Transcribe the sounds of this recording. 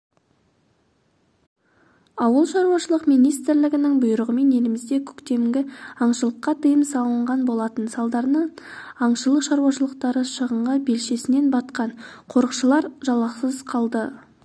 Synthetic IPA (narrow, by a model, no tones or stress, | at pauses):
ɑwəlˠʃɑɾuwɑʃəlˠəqmijnijst̪ɾlɪɡʲɪnɪŋbʊjəɾəʁəme̞ne̞lɪmɪzd̪e̞kʲʰɵ̥kt̪e̞mɡʲɪɑɴʃəlˠəqːɑt̪ʰəjəmsɑlˠəɴʁɑnbo̞lˠɑt̪ənsɑlˠd̪ɑɾnəɴɑɴʃəlˠəqʃɑɾuwɑʃəlˠəq̚t̪ɑɾəʃəʁəɴʁɑbe̞lʃe̞sɪne̞nbɑt̪qɑnqʰo̞ɾəqʃəlˠɑɾʒɑlˠɑqsəzqʰɑlˠd̪ə